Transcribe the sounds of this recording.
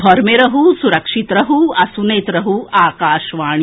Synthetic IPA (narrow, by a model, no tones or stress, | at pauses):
d̪ʱɔɾmeɾɐɦusuɾɐkʂit̪ɾɐɦuɐsuneːt̪ɾɐɦuaːkaːʃʋaːɳ